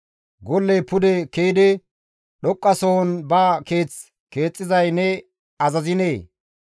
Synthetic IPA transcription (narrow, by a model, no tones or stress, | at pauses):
ɡɔlːepʊd̪ɛkejd̪ɪ | ɗɔkʼːɐsoːnbaːke̞ːt͡s | ke̞ːt͡sʼːɪzɐjnɛ | ɐzɐzɪneː